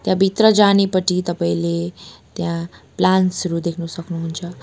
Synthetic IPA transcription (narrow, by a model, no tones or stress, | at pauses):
t̪jãbʱit̪rʌd͡zanepʌtit̪ʌpaĩlet̪jãplansɾud̪ekʰnusʌknuɦunt͡sʰʌ